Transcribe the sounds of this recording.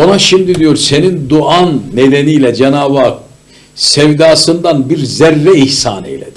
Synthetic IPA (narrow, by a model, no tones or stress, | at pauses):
o̞naʃimd̪id̪ijo̞ɾse̞nind̪uanːed̪enijlʲɛd͡ʒenaːbaːk̚ | sɛvd̪aːsɯnd̪anbiɾzɛɾːɛihsa̰ːnḛjlʲed̪